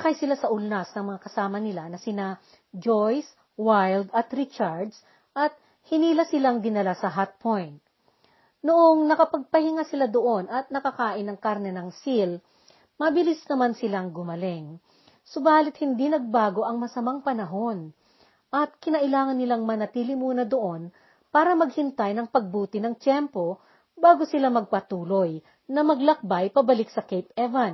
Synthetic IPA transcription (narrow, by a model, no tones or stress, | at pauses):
kajsɪlasɐʔʊlnasnɐŋmɐŋakɐsaːmɐnɪlanɐsɪna | d͡ʒojs | wajld̪ɐt̪ɾɪt͡ʃaɹd̪s | ʔɐt̪̚ | hɪniːlɐsɪlaŋd̪ɪnːɐlasɐɦat̪̚pʰojnt̪̚ | noʔoŋnɐkɐpɐɡ̚pɐhɪŋasɪlad̪oʔo̞nɐt̪̚nɐkɐkaːʔɪnːɐŋkaɾnɛnɐŋsil | mɐbɪlɪsnɐmansɪlaŋɡʊmɐlɛŋ | sʊbaːlɪt̪̚hɪnd̪inɐɡ̚baːɡo̞ʔɐŋmɐsɐmaŋpɐnɐɦo̞n | ʔɐt̪̚kɪnɐʔɪlaːŋɐnːɪlaŋmɐnɐt̪iːlɪmuːnɐd̪oʔo̞n | paːɾɐmɐɡhɪnt̪ajnɐŋpɐɡ̚buːt̪ɪnɐŋt͡ʃɛmpo̞ | baːɡo̞sɪlamɐɡ̚pɐt̪uːlo̞j | nɐmɐɡlɐk̚bajpɐbɐlɪksɐkɛjpɛvɐn